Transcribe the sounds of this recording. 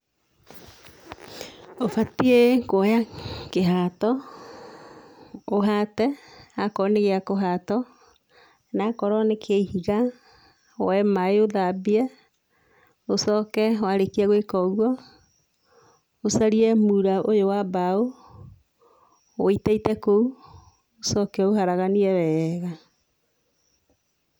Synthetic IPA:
ofatiekojakeɦatɔ | oɦatɛakɔneɣeakoɦatɔ | nakɔɾɔnekʰeihiɣa | o̰ɛmaeoðabiɛ | osɔːkɛwaɾekiɛɣwekɔɣwɔ | osaɾiɛmuɾaʔojowabao | oitaitɛkou | osɔkɛɔuɦaɾaɣaniɛβɛɣa

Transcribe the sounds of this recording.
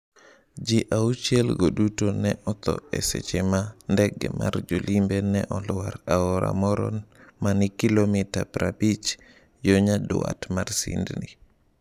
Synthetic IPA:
d͡ʒiʔaut͡ʃelɡoɗutonɛʔɔt̪ɔɛ̰sɛ̰t͡ʃɛmandɛɡːɛ̰ma̰ɾd͡ʒolimbɛnɛʔɔluwaɾaɔɾa̰mɔɾɔ̰nmanikilomitapɾabit͡ʃ | joɲadṵwa̰tmaɾsḭndni

